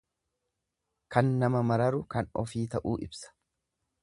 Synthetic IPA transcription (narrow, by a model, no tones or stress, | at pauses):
kɐnːɐmɐmɐɾɐɾʊkɐnɔfiːt̪ɐʔuːʔɪbsɐ̥